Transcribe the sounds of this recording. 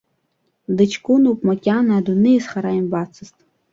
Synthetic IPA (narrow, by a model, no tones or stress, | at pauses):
dɨt͡ʃʰkʷʼunupʼmakʲʼanaːdunɨisχaɾaimbat͡sʰɨztʼ